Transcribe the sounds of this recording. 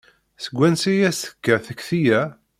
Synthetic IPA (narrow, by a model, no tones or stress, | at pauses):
səɡʷːænsijæsə̥kːæθəkθijæ